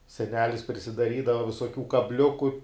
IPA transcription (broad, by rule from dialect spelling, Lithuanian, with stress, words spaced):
sʲɛˈnʲæːlʲɪs pʲrʲɪsʲɪdɐˈrʲiːdɐʋɐ ʋʲɪsoːˈkʲuː kɐbʲˈlʲʊkʊ